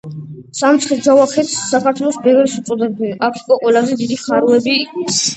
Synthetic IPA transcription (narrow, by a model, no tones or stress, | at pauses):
samt̪sʰχid͡ʒavaχʰɛt̪ssakʰaɾt̪ʰwɛlˠɔsbɛvɛɾisut̪sʼɔd̪ɛbiakʰikʼɔqʼwɛlˠazɛd̪id̪iχaɾuɛbi